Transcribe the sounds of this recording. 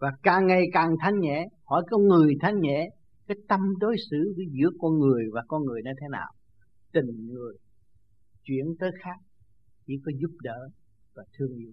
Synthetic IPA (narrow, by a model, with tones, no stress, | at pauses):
vaː˨˩kaː˨˩ŋːa˨˩jkaː˨˩ŋt̪ʰa˧jŋ̟ɲɛ̰˧˥˦hɔ˧˩˦jkɔ˧nŋɨ˨˩əjt̪ʰa˧jŋ̟ɲɛ̰˧˥˨ | kaː˨˦jt̪ə˧mɗo˨˦jsɨ˧˦viː˨˦zɨ̰˧˥əkɔ˧nŋɨ˨˩əjvaː˨˩kɔ˧nŋɨ˨˩əjnə˧jt̪ʰe˨˦na̰ː˨˩w | t̪ï˨˩ŋ̟ŋɨ˨˩əj | t͡ɕwḭ˧˥ənt̪əː˨˦jxaː˦˥k̚ | t͡ɕḭ˧˥kɔ˨˦zu˦˥p̚ɗəː˧˨ | vaː˨˩t̪ʰɨ˧əŋʔḭ˧˨